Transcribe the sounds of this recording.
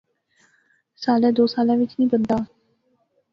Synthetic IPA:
saːlɛ̃ːd̪oːsaːlãːʋɪt͡ʃnĩːbənd̪aː

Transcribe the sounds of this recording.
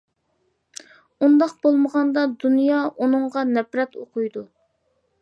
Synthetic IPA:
und̪ɑq̚b̥olˠməʁɑnd̪ɑd̪unjɑʔunɨɴʁɑnɛpɾɛt̪oqʰujd̪u

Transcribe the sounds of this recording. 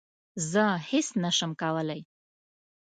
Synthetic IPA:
zəhɪsnaʃəmkawəlaj

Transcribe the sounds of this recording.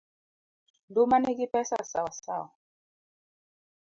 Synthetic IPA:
ndumanikipɛsa̰sawasa̰wa

